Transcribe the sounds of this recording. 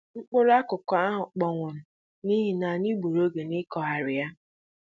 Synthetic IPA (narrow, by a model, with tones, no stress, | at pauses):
ŋ͡m̩˦k͡pʊ˦ɾa˦kʊ˨kɔ˨a˦ɦʊ˨k͡pɔ˨ŋʷʊ˨nʊ˨ | ni˦ɦi˨na˨ni˦ɡ͡bu˨ɾo˦ɡe˨nɪ˦kɔ˨ɦa˨ɾɪ˨ja˦